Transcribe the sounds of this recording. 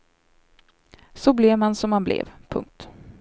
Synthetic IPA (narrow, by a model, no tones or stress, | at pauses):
sɔblɛvmansɔmhanblɛ̰vpʰɵ̰ŋk̚t̪